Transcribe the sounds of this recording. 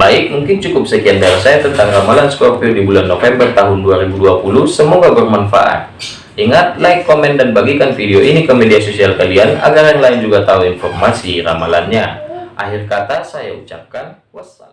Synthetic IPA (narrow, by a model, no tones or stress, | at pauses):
baɪk̚muŋkɪnt͡ʃukʊp̚səkiandarsajat̪ənt̪aŋramalanskɔpiodibulanːofɛmbərt̪aɦʊnduaɾibuduapulʊhsəmoɡabərmanfa̰ʔa̰t̪̚ | iŋat̪̚laɪkːomɛndanbaɡikanfideoʔinikəmediasosialkaliana̰ɡaɾanlaɪnd͡ʒuɡat̪auinfɔrmasira̰malanɲaʔa̰hɪrkat̪asaja̰ut͡ʃa̰p̚kan | wasa̰l